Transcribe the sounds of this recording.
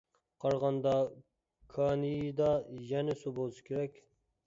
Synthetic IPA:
qʰɑɾʁɑnd̪ɑ | kʰɑnid̪ɑjɛnɪsubolˠɨʃkʲʰeɾɛkʲ

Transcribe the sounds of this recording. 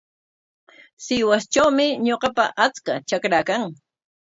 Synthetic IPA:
sɪwast͡ʃawmɪɲoqɑpa̰ʔat͡skat͡ʃakɾakaŋ

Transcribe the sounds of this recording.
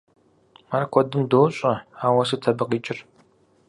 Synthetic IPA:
marɐkʷʰɔdɨmdoːɕʼɐaːwɐsɨtʰɐbɨqiːt͡ʃʼɪr

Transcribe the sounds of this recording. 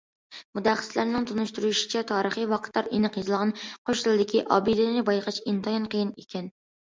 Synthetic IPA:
mud̪æχːə̥slæɾnɪŋt̪ʰunuʃt̪uɾuʃi̥t͡ʃʰɛt̪ʰɑːɾəχijwɑqʰə̥t̪ːɑɾenəqjizɨlˠʁɑnqʰoʃlˠɨd̪ɪkʲʰiʔɑ̰bɪd̪ɪnɪbɑjqʰɑt͡ʃint̪ʰɑjɑnqʰəjinekʲʰɛn

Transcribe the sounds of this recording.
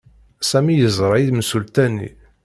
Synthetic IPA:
sæmijəzˤɾˤɑiðmsult̪ænḭ

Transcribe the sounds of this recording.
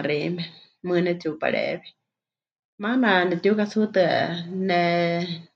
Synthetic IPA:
ɾimɛ | mɨnɛt͡supa̰ɺɛ̰βi̥ | mananɛt̪jukasut̪ɨnɛ

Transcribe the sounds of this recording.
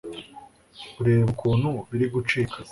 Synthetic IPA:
uɾeːβaβukʰuːnhuβiɾiɡut͡ʃiːkʰḁ

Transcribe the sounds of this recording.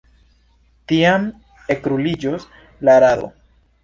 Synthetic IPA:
tiam | e̞kɾulid͡ʒos | laɾado̞̰

